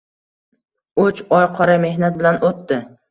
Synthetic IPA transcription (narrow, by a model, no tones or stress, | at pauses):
ʊt͡ʃɒjqʰɒɾame̞hnat̪̚bɪlanot̪ːɪ